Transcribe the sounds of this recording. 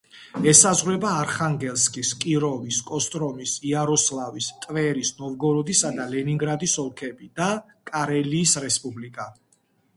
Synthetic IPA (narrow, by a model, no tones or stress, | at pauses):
ɛsazʁɾɛbaːɾχaŋɡɛlskʼiskʼiɾɔviskʼɔst̪ʼɾɔmisiaɾɔslavist̪ʼvɛɾisnɔvɡɔɾɔd̪isad̪alɛniŋɡɾad̪isɔlˠkʰɛbid̪̥a | kʼaɾɛliːsɾɛspʼublikʼa